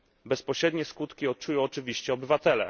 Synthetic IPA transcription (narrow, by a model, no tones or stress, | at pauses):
bɛspɔɕɾɛd̪ɲɛskut̪kʲiɔt̪̚t͡ʂujɔ̃w̃ɔt͡ʂɘvʲiɕt͡ɕɛɔbɘvat̪ɛlɛ̰